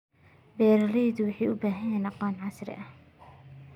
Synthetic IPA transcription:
bɛːɾɐlɛðʊwɑħijʔʊbaːɦɐjɛnɑqɑːnʕɑsɾɪ̰ʔɐh

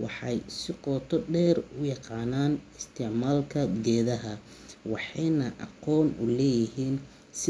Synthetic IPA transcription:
wɑ̰ħɑjsɪqɔːt̪ʰɔɖɛːrʊjɑqɑːnaːnɪst̪ʰɪʕmaːlkʰɐɡɛːðɐɦɐ | wɑħɑjnɐʔɑ̰qɔːnʊlɛːjɪɦiːn | sɪ

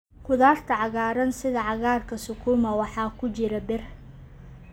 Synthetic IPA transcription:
kʰʊðaːrt̪ʰɐʕɑɣaːɾɐnsɪðɐʕɑɣaːrkʰɐsʊkʰuːmɐwɑħɑːkʰʊt͡ʃɪɾɐbɪr

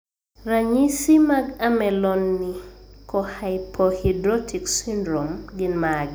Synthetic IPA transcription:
raɲisimaɡamɛlɔnːikɔhajpʰɔhidɾɔtʰiksindɾɔmɡɪnmaɡ

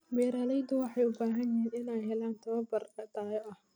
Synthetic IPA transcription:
biːɾaːlɛjd̪ʊwɑħɑjʊbaːɦɐnjɪɦiːnɪnɛjɦɛlaːnt̪ʰɐβɐbɐrɐd̪aːjɔʔɐh

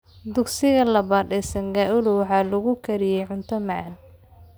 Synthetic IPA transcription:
d̪ʊɡsɪɣɐlɐβaːd̪ɛsɐŋɡaːʔʊlʊwɑħɑːlɐɣʊkʰɐɾɪjɛjʕʊnt̪ʰɐmaʕan

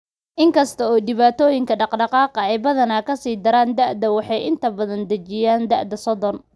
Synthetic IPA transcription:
ʔɪŋkʰɐst̪ʰɐɔːɖɪβaːt̪ʰɔːjɪŋkʰɐɖɑqɖɑqɑːqɐɛjbɐðɐnɐkʰɐsiːd̪ɐɾaːnd̪ɐʕd̪ɐwɑħɑjʔɪnt̪ʰɐbɐðɐnd̪ɐt͡ʃɪjaːnd̪ɐ̰ʕd̪ɐsɔðɔn

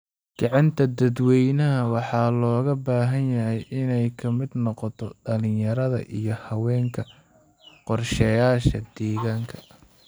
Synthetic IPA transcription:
ɡ̥ɑʕɑnt̪ʰɐd̪ɐd̪wɛjnɐɦɐwɑħɑːlɔːɣɐbaːɦɐnjɐɦɛjʔɪnɛjkʰɐmɪd̪nɔqɔt̪ʰɔɖɐlɪjɐɾɐðɐ̰ʔijɞhɐwɛːŋkʰɐ | qɔrʃɛjaːʃɐd̪̥ɛːɣaːŋkʰɐ̥

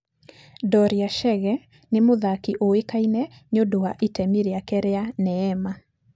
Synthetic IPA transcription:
dɔɾiaʃɛɣɛ | nemoðakiʔoekainɛɲodowaʔetɛmeɾeakɛɾeanɛːma

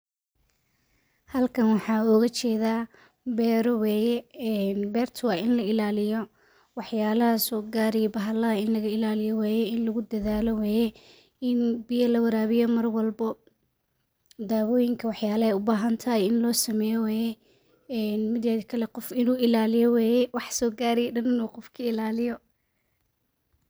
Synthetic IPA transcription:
hɐlkʰɐnwɑħɑːɔɣɐt͡ʃʰɛːðaː | bɛːɾɔwɛːjɛnbɛːrt̪ʰʊwaɪnlɐɪlaːlɪjɔ | wɑħjaːlɐhɐsɔːɡaːɾijbɐɦɐlɐɐɪnlɐɣɐɪlaːlɪjɔwɛːjɛɪnlɐɣʊd̪ɐðaːlɔwɛːjɛ | ɪnbɪjɐlɐwɐɾaːβɪjɔmɐrwɑlbɐ | d̪aːwɔːjɪŋkʰɐwɑħjaːlɐhɛjʊbaːɦɐnt̪ʰɐjɪnlɔːsɐmɛːjɔwɛːjɛ | ɛnmɪd̪jɛðkʰɐlɛqɔfɪnuːɪlaːlɪjɔwɛːjɛwɑħsɔːɡaːɾɪjɛɗɐnɪnuːqɔfkʰɐɪlaːlɪjɔ

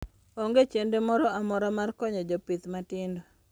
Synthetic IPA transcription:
oŋɡet͡ʃendemɔɾɔamɔɾamarkɔɲɔd͡ʒɔpit̪matɪndo

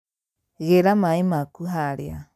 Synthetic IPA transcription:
ɣeɾamãĩmãkuɦaɾea̰

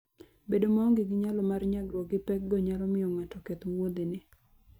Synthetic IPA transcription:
bedomɔŋɡiɡɪɲalɔmarɲaɡɾwɔɡɪpɛk̚ɡɔɲalɔmɪjɔŋatɔkɛt̪wod̪enɪ

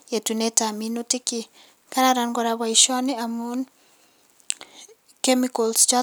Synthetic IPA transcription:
jetunetaminotiki | kaɾaɾanɡɔɾawaiʃɔneamun | kemikɔlst͡ʃa

